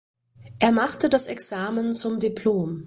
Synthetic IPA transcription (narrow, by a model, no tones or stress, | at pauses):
ʔeːɐmaχtədasɛksaːmənt͡sʊmdipʰloːm